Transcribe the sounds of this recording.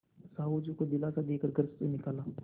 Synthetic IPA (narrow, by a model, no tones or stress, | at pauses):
saːɦud͡ʒukod̪ɪlaːsad̪eːkəɾɡəɾssenɪkaːlaː